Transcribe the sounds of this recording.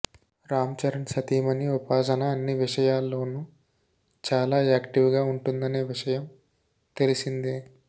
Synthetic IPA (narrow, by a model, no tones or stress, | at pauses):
ɾaːmt͡ʃɐɾɐnsɐt̪iːmɐniupaːsɐnɐːnːiʋiʂɐjaːlːo̞ːnu | t͡ʃaːlaːaːkʈiʋɡaːuɳʈund̪ɐneːʋiʂɐjɐm | t̪elisind̪i